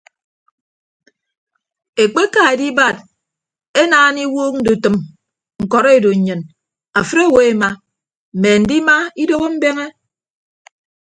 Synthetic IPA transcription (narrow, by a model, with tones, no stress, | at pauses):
e˨k͡pe˦ka˨e˨di˦ba˦˨d̚ | e˦naː˦˨˦ni˦woː˦k̚n̩˦du˨tɨ˨m | ŋ̩˨kɔ˨ɾe˦˨do˨ɲ˨ɲɨ˨n | a˨fɨ˦ɾe˦˨we˦e˦ma˦ | m̩˨me˨n̩˨˦di˦ma˦i˦do˦ɣo˦m̩˦be˦ŋe˦